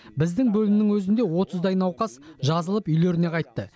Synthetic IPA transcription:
bɪzd̪ɪŋbɵlɪmɪnɪŋwɵzɪnd̪e̞wo̞t̪əzd̪ɑjnɑwqɑsʒɑzəlˠəpʏjle̞ɾɪne̞qʰɑjt̪ːə

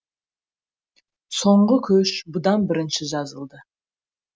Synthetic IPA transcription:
so̞ɴɢəkʲʰɵʃbʊd̪ɑnbɪɾɪnʃɪʒɑzəlˠd̪ə

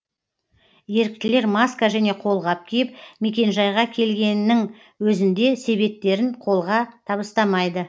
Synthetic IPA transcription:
je̞ɾɪk̚t̪ɪle̞ɾmaskaʒæne̞qʰo̞lˠʁɑp̚kʲʰijɪp̚me̞kʲe̞nʒɑjʁɑkʲʰe̞lɡʲe̞nːɪŋ | wɵzɪnd̪e̞se̞βe̞p̚t̪ːe̞ɾɪnqʰo̞lˠʁɑt̪ʰɑbəst̪ɑmɑjd̪ə

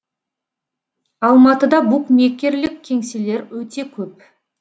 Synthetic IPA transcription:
ɑlˠmɑt̪əd̪ɑbukmekʲːe̞ɾlɪkʲʰːe̞ŋsele̞ɾwɵt̪e̞kʲʰɵp̚

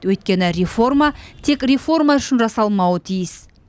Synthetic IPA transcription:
wɵjt̪̚kʲe̞nɪɾefo̞rmat̪ʰe̞kʲrefo̞rmaʏʃɪnʒɑsɑlˠmɑwət̪ʰijɪs

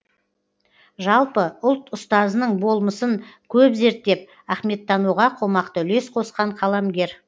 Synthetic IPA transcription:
ʒɑlˠpəʊlˠt̪ʊst̪ɑzənəɴbo̞lˠməsəŋkʲʰɵpze̞ɾt̪ːe̞p̚ | æχme̞t̪ːɑnuʁɑqʰo̞mɑqt̪əʏle̞sqʰo̞sqɑɴqʰɑlˠamɡʲe̞ɾ

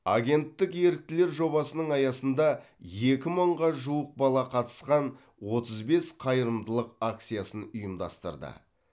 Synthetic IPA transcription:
a̰ɡʲe̞nt̪ːɪkje̞ɾɪk̚t̪ɪle̞ɾʒo̞bɑsənəɴɑjɑsənd̪ɑ | je̞kʲɪməɴʁɑʒuəq̚bɑlˠɑqʰɑt̪ə̥sqɑn | wo̞t̪əzbe̞sqʰɑjəɾəmd̪əlˠəqak̚t̪sijasənʊjəmd̪ɑ̰st̪ə̰ɾd̪ə̰

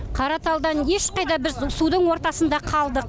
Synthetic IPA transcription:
qʰɑɾɑt̪ɑlˠd̪ɑnje̞ʃqɑjd̪ɑbɪɾsud̪əɴwo̞ɾt̪ɑsənd̪ɑqʰɑlˠd̪əq

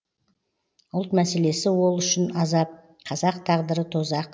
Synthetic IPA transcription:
ʊlˠt̪mæse̞le̞sɪwo̞lˠʏʃɪnɑzɑp̚ | qʰɑzɑqt̪ʰɑʁd̪əɾət̪ʰozɑq

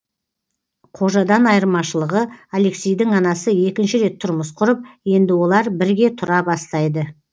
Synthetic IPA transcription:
qʰo̞ʒɑd̪ɑnɑjəɾmɑʃəlˠəʁəale̞ksʲejd̪ɪŋɑnɑsəje̞kʲɪnʃɪɾe̞t̪ʰːʊɾməsqʰʊɾəp̚je̞nd̪ɪwo̞lˠɑɾbɪɾɡʲe̞t̪ʰʊɾɑbɑst̪ɑjd̪ə

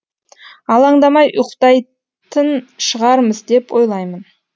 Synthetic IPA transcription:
ɑlˠɑɴd̪ɑmɑjʔʊqt̪ɑj | t̪ənʃəʁɑɾməzd̪e̞pwo̞jlˠɑjmən

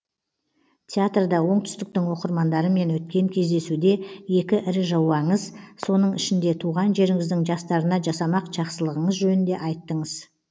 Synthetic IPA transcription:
t̪ʰʲeat̪rd̪ɑwo̞ɴt̪ʰʏ̥st̪ɪk̚t̪ɪŋwo̞qəɾmɑnd̪ɑɾəme̞nwɵt̪̚kʲe̞ŋkʲʰe̞zd̪e̞sud̪e̞je̞kʲɪʔɪɾɪʒɑwɑɴəzso̞n̪əɴɪʃɪnd̪e̞t̪ʰuʁɑnʒe̞ɾɪŋɪzd̪ɪŋʒɑst̪ɑɾənɑʒɑsɑmɑqʒ̥ɑqsəlˠəʁəɴəzʒɵnɪnd̪e̞ʔɑjt̪ːəɴəz̥

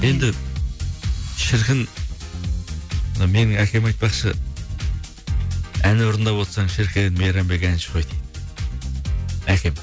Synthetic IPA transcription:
je̞nd̪ɪ | ʃɪɾkʲʰɪn | nɑmenɪŋækʰʲemɑjt̪̚pɑχʃʰə | ænoɾənd̪ɑβot̪sɑŋʃɪɾkʲʰenmeɾɑmbekænʃʰə̥χojt̪i | ækʲʰem

